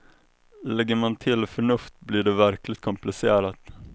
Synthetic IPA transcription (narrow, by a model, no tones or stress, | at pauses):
lɛɡːəmant̪ʰɪlfœɳɵft̪bliːɖɛvæɾklɪɡt̪̚kʰɔmplɪseːɾat̪